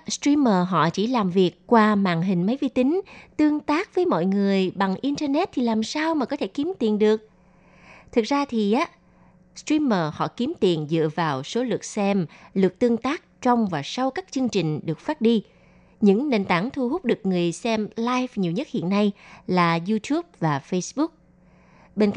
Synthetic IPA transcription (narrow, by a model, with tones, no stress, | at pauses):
stɹi˧məː˨˩ɦɔ̰˧˨t͡ɕi˧˩laː˨˩mvi˨˩əkːwaː˧ma̰ː˧˨ŋɦï˨˩ŋ̟mə˨˦jvi˧t̪ï˨˦ŋ̟t̪ɨ˧əŋt̪aː˦˥k̚vəː˨˦jmɔ̰˧˨jŋɨ˨˩əjɓa˨˩ŋʔi˧nt̪ə˧nɛ˦˥t̚t̪ʰi˨˩laː˨˩msaː˧wmaː˨˩kɔ˨˦t̪ʰe˧˩ki˨˦mt̪i˨˩ənɗɨ˨˩ək̚ | t̪ʰɨ˨˩k̚zaː˧t̪ʰi˨˩ʔaː˨˦ | stɹi˧məː˨˩hɔ̰˧˨ki˨˦əmt̪i˨˩ənzɨ̰˧˨əvaː˨˩wso˨˦lɨ̰˨˩k̚sɛ˧mlɨ˨˩k̚t̪ɨ˧əŋt̪aː˦˥k̚t͡ɕɔ˧wŋ͡mvaː˨˩sa˧wkaː˦˥k̚t͡ɕɨ˧ŋt͡ɕï˨˩ŋ̟ɗɨ˨˩ək̚faː˦˥t̚ɗi˧ | ɲɨ̰˧˥ŋne˧˩nt̪aː˧˩ŋt̪ʰu˧ɦʊ˦˥k͡p̚ɗɨ˨˩ək̚ŋɨ˨˩əjsɛ˧mlaː˧jvɲi˨˩əwɲə˦˥t̚hḭ˧˨ənːa˧jlaː˨˩zu˧t̪ʰu˦˥p̚vaː˨˩fə˧jsɓʊ˦˥k̚ | ɓe˧nk